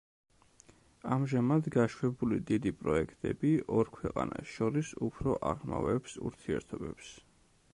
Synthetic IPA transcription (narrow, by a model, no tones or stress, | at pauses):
amʒamad̪ɡaʃwɛbulid̪id̪ipʼɾɔɛkʰt̪ʼɛbiʔɔɾkʰwɛqʼanasʃɔɾisupʰɾɔʔaʁma̰vɛpsṵɾt̪ʰiɛɾt̪ʰɔbɛps